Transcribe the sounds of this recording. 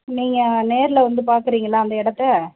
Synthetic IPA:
niːŋɡɐneːɾɪlɐʋɐnd̪ɯpaːɾkɯɾiːŋɡɐlːãːɐnd̪ɐɪɽɐt̪ːɛ

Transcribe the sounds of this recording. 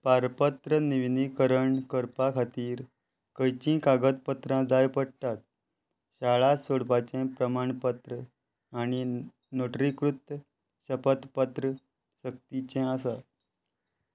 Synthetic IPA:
paɾpət̪ɾəniʋnikəɾəɳkəɾpakʰat̪iːɾ | kəjt͡ɕĩkaɡət̪̚pət̪ɾãd͡zajpəɽt̪at̪̚ | ɕaɭasoɽpat͡ɕɛ̃pɾəmaɳpət̪ɾə | añi | noʈɾikɾut̪ː | ɕəpət̪pət̪ɾə | ɕək̚t̪it͡ɕɛ̃asa

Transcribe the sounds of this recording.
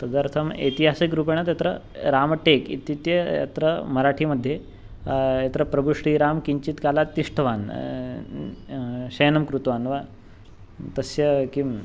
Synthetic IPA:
t̪ɐd̪əɾt̪ʰɐmḛt̪iɦasikɾup̬eɳ̃at̪jat̪ɾə | ɾamʈekḭt̪it̪jəja̰t̪ɾəmɐɾaʈʰiːməd̪ʱːje | jet̪ɾəpɾɐbʱuɕɾiːɾamkiɲt͡ɕit̪kalat̪iʂʈʰʋan | ɕɐjnɐmkɾut̪ʋaːnʋa | t̪ɐsjɐki

